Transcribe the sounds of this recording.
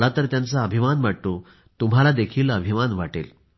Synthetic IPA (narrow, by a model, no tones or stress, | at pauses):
lat̪əɾt̪jant͡saəbʱimanʋaʈ̪o | t̪um̤alad̪ekʰiːləbʱimanʋaʈḛl